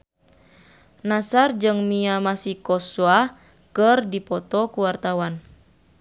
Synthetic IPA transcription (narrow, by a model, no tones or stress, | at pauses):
nasard͡ʒɨŋmiamasikɔswa | kərdipɔt̪ɔkuwart̪awan